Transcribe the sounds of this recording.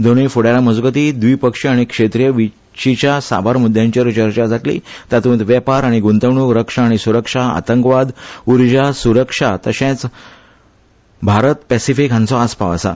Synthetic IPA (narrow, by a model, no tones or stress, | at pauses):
d̪oɽefuɽjalaməd͡zɡət̪iːd̪ʋiːpəkʂiaɽ̃ikʂet̪ɾijəʋi | ɕit͡ɕjasa̰bʱaɾmud̪ʱːjãɲt͡ɕiɾt͡ɕəɾt͡ɕad͡zʱaʈlḭt̪at̪ũnt̪ʋjəpaɾaɽ̃iɡunt̪əʋɳukɾəkʂaːɽ̃isuɾəkʂaa̰t̪əŋkʋad̪uɾd͡ʑasuɾəkʂat̪əɕẽt͡s | bʱaɾət̪pɛsifikãnt͡sɔaspa̰ʋə̰sa̰